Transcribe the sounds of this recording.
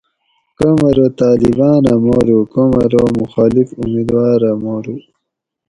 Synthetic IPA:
komɐɾot̪ɑːlibɑːnamoɾukomɐɾomuxɑːlifumid̪wɑːɾamoɾu

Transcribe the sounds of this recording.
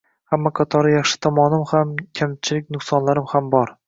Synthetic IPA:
hamːaqʰɑt̪ʰɒɾjɑχʃɪ̥t̪ʰɒmɒnɪmhamkʲʰamt͡ʃʰɪlɪk̚ʲnʊχsɒnlaɾɪmhambɒɾ

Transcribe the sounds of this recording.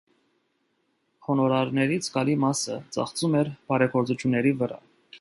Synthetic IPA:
hɔnɔɾɑɾnɛɾit͡sʰɡɑlimɑsət͡sɑ̰χt͡sumɛɾb̥ɑɾɛɡɔɾt͡sut͡ʃʰjunːɛɾivəɾɑ̰

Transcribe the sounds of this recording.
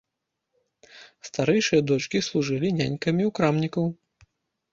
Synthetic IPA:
st̪aɾɛjʂɨjɐd̪ɔt͡ʂkʲislˠuʐɨlʲinʲanʲkɐmʲiukɾamnʲikɐw

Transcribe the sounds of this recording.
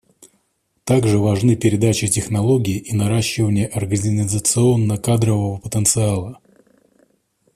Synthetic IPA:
t̪aɡʐɨvɐʐnɨpʲɪɾʲɪd̪at͡ɕɪtʲɪxnɐlˠo̞ɡʲɪːʔinɐɾaɕːɪvənʲɪjəʔɐrɡənʲɪnʲɪzət̪sɨo̞nːəkad̪ɾəvəvəpət̪ənt̪sɨalˠə

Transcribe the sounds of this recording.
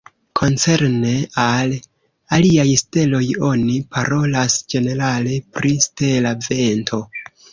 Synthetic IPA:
kʰo̞nt͡se̞ɾne̞al | aliajste̞lo̞jo̞nipaɾo̞lasd͡ʒe̞ne̞ɾale̞pɾiste̞lave̞ntʰo̞

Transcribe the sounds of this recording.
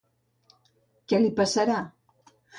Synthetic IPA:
kɛlipasaɾa

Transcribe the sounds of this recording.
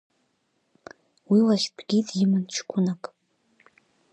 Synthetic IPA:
wilaʃpʰɡ̥ʲitʼjɪmɨnt͡ʃʰkʷʰʊnakʼ

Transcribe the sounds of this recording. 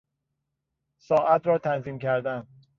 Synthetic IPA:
sɒːʔæt̪ʰɾɒːt̪ʰænziːmcʰæɾd̪æn

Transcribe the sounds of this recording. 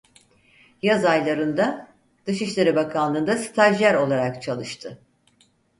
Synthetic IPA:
jazajlˠaɾɯnd̪a | d̪̥ɯʃɯʃlˠeɾɯbakʰanlˠɯːnd̪asi̥t̪ʰaʒlʲæɾo̞lˠaɾakt͡ʃʰalˠɯʃt̪ʰɯ

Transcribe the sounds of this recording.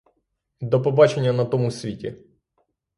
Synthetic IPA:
d̪ɔpɔbat͡ʃenʲːjɐnɐt̪ɔmusʲʋʲitʲi

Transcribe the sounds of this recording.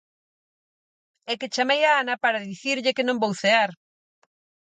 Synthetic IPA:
ɛket͡ʃamejaanapaɾaðiθiɾʎɪkenõŋbowθeaɾ

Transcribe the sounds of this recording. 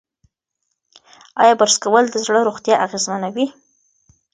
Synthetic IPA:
ɑ̰jɑbəɾskawəld̪əzɽəɾoɣt̪jɑʔaɣezmanawi

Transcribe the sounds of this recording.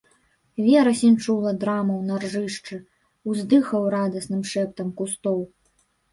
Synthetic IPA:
vʲɛɾɐsʲint͡ʂulˠɐd̪ɾamɐwnarʐɨʂt͡ʂɨ | uzd̪ɨxɐwɾad̪ɐsnɨmʂɛp̚t̪ɐmkust̪ɔw

